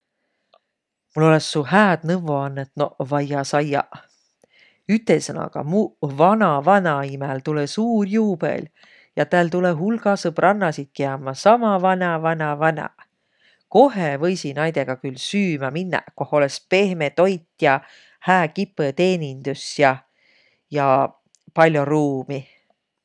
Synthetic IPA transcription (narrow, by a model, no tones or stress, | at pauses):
mulo̞le̞sːuhæːd̪̥nɤvːoɑnːet̪novɑjɑsɑjɑ̰ | yt̪ˑːesɤnɑ̰ɡ̥ɑ̰muvɑnɑvɑnɑimɛlt̪ulesuːrjuːb̥ḛl | jɑt̪æːlt̪uleɦulɡ̥ɑsɤbrʔɑnːɑsit̪̚keɑːmɑsɑmɑvɑnɑvɑnɑvɑnɑ̰ | ko̞ɦevɤjsinɑjd̪̥eɡ̥ɑkylsyːmɑminːɑ̰koholespe̞hmet̪o̞jt̪ːjɑ | hæːkipːˑet̪e̞ːnʲind̪̥usjɑ | jɑ | pɑlʲːjoruːmi